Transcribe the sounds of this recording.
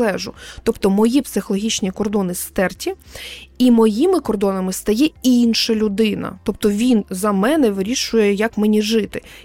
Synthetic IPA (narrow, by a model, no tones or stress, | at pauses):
ɛʒʊt̪ɔpt̪ɔmɔjipsɪxɔlˠɔɦʲit͡ʃnʲikɔrd̪ɔnɪst̪ɛrtʲiimɔjimɪkɔrd̪ɔnɐmɪst̪ɐjɛinʃɐlʲʊd̪ɪnɐ̰t̪ɔp̚t̪ɔʋʲinzɐmɛnɛʋɪɾʲiʃʊjɛjɐkmenʲiʒɪt̪ɪ